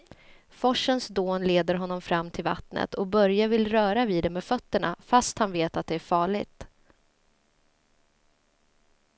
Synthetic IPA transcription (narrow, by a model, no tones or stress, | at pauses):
fɔʂːənsd̪oːnleːd̪əɾɦɔnːɔmfɾamːt̪ʰɪlva̰t̪nə̰t̪ʰɔbœɾjavɪlɾœːɾaviːd̪ɛmeːfœt̪ːəɳa̰fast̪hanveːt̪at̪̚d̪ɛæɾfɑːɭɪ̰ɡt̪